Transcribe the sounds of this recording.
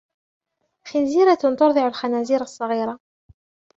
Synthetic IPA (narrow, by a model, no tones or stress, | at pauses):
xɪnziɾat̪t̪ʊɾˤðˤɪʕʊlxænæziːɾɑsˤːɑɣiːɾˤɑ